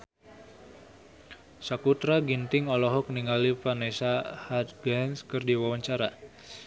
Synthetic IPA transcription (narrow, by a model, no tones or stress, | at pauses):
sakut̪ɾaɡint̪ɪŋɔlɔɦɔk̚niŋalipanesahat̪̚ɡɛnskərdiwawaɲt͡ʃaɾa